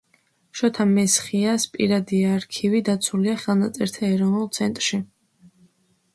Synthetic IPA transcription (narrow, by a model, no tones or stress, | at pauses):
ʃɔt̪ʰamɛsχiaspʼḭɾad̪iaːɾkʰivid̪at̪sʰuliaχɛlˠnat̪sʼɛɾt̪ʰaɛɾɔvnulˠt̪sʰɛnt̪ʼɾʃi